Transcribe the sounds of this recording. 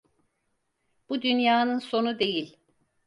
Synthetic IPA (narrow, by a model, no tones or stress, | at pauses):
b̥ud̪ynjaːnɯnso̞nud̪e̞jilʲ